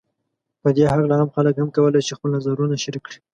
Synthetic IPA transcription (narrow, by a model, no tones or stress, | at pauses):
pəd̪eɦaɣlaamxaləkhamkawəlajt͡ʃexpəlnazaɾunaʃaɾikːɽi̥